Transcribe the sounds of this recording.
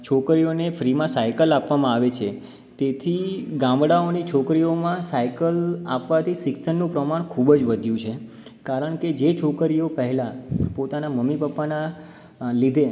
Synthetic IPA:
t͡ʃʰokɾijonefɾimãsajkəlapʋamãaʋet͡ʃʰe | t̪et̪ʰiɡãmbɽaonit͡ʃʰokɾiomãsajkəla̰pʋat̪ʰiʃɪksənːũpɾəmaɳ̃kʰubd͡ʒʋəd̪ʱjũt͡ʃʰe | kaɾəɳ̃ked͡ʒet͡ʃʰokəɾijopəɦɛlapot̪anaməmːipəpːana | lid̪ʱe

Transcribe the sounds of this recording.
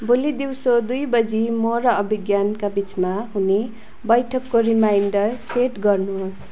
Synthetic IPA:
bolid̪iwsod̪ujbʌd͡zʱimoɾʌːbʱiɡjankabit͡smaɦune | bʌjʈʰʌkːoɾimajɳɖʌrseʈɡʌrnuɦos

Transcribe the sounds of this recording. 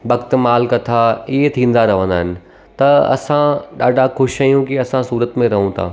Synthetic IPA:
ʋɐkt̪maːlkɐt̪ʰaɪɦet̪ʰĩːn̆d̪aɾɐʋ̤ə̃nd̪aːɦɪnɪ̆ | t̪ɐɐ̰sãɗaːɖʱaxʊʃajũkiɐsãsuːɾət̪mẽɾɐɦũt̪ʰa̰ː

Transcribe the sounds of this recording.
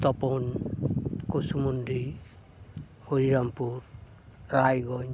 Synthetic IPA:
t̪ɔpɔn | kosumundi | hoɾiɾampuɾ | ɾajɡɔn

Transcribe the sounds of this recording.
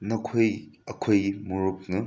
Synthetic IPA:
nɐkʰojɐkʰojmuɾuk̚nɐ

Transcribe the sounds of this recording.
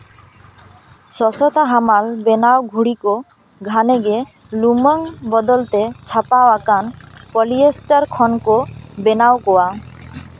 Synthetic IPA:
sɔsɔt̪aɦamalbenawɡʱuɽiko | ɡʱaneɡe | lumɔŋbɔd̪ɔlt̪et͡ʃʰapawakanpɔliesʈaɾkʰɔnkobenawkɔwa

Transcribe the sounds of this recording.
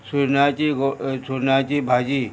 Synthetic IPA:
suɾnaːt͡ʃiɡosuɾnaːt͡ʃibʱaːd͡ʒiː

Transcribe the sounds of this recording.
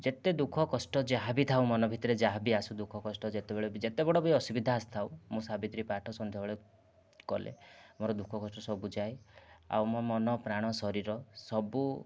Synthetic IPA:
d͡ʒet̪ed̪ukʰɔkɔsʈɔd͡ʒaɦabit̪ʰawmɔnɔbʱit̪ɔɾed͡ʒaɦabiasud̪ukʰɔkɔsʈɔd͡ʒet̪ebeɭed͡ʒet̪ebɔɽɔbjɔsubid̪ʱaːst̪ʰawmũsabit̪ɾipaʈʰɔsɔnd̪ʱjɔbɔɭe | kɔlʔḛmoɾɔd̪ukʰɔkɔsʈɔsɔbud͡ʒaja̰wmɔmɔnɔpɾaɽ̃ɔsɔɾiɾɔsɔbu

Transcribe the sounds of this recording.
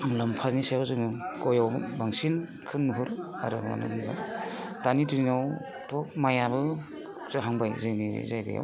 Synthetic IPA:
ŋlampʰaznisajawzɯŋɯkɔjawbaŋsin | kʰɯnːuɦuɾa̰ɾɯma̰nɯ̰mniɡa̰tanituɾinaw | tʰɔk̚majabɯ | zɯɦaŋbajzɯjnḭzajɡɯ̰ja̰w

